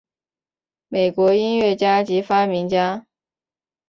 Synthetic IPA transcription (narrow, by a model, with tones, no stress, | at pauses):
me˨˩ɪkwɔ˧˥i˥nɥɛ˥˩t͡ɕja˥t͡ɕi˧˥fa˥mi˧˥ŋt͡ɕja˥